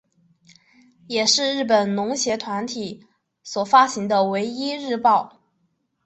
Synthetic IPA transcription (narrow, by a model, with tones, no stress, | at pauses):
jɛ˨˩ʂɻ̩˥˧ɻɻ̩˥˩pə˨˩nnʊ˧˥ŋɕjɛ˧˥t̪ʰwa˧˥nt̪ʰi˨˩˦ | swɔ˨˩fa˥ɕi˧˥ŋd̪ə˧we˧˥ɪi˥ɻɻ̩˥˧pɑ˥˩ʊ